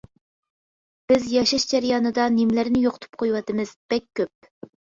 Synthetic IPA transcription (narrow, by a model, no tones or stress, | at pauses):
b̥ɪzjɑʃɑʃd͡ʒæɾijɑːnɨd̪ɑnimlɪɾnɪjoqʰʊt̪ʰu̥p̚qʰojwɑt̪ɨmɨz̥b̥ɛkʲʰːøp̚